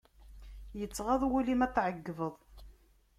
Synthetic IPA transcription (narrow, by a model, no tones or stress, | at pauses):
jət͡sːʁɑðˤwulimæθʕəɡːvəðˤ